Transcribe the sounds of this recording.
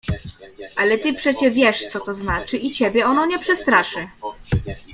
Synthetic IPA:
ʔalɛt̪ɘpʂɛt͡ɕɛvʲjɛʂt̪sɔt̪ɔznat͡ʂɘʔit͡ɕɛbʲjɛɔnɔ̃w̃ɲɛpʂɛst̪ɾaʂɘ

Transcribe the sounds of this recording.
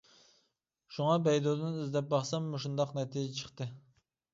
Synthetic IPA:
ʃuŋɑbɛjd̪od̪ɨnizd̪ɛp̚bɑχsɑmːoʃund̪ɑqnɛt̪ʰid͡ʒɛt͡ʃʰə̥χt̪ɨ

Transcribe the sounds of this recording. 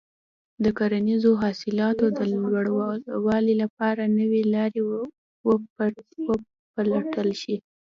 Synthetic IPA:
d̪əkaɾanizoɦɑsɪlɑt̪od̪əlwɽwɑlilap̚ɑɾanəwelɑɾe | w | wə | pəlaʈəlʃi

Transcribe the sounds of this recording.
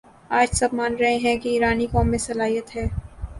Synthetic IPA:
aːd͡ʒsɐb̚maːnɾɐɦẽɦɛ̃kiiːɾaːnikɔːmːẽsɐlaːɦijət̪ɦɛː

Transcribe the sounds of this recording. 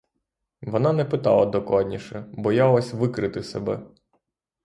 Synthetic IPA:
ʋɔnɑnɛpɪt̪ɑ̰lˠɐd̪ɔklˠɑd̪ʲnʲiʃɛbɔjɑlˠɔsʲʋɪkɾɪt̪ɪsɛbɛ

